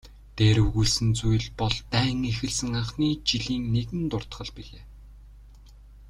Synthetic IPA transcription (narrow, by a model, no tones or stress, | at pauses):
t̪eːɾɵɣujɮsɘ̆nt͡sujɮpɔɮt̪æːŋexɘ̆ɮsɘ̆ŋaɴχniːt͡ɕiɮiːŋneɣɘ̆nt̪ʊr̥t̪χə̆ɮpiɮeː